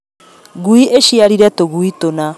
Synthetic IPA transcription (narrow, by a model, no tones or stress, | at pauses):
ɣuiʔeʃiaɾiɾɛtoɣuitona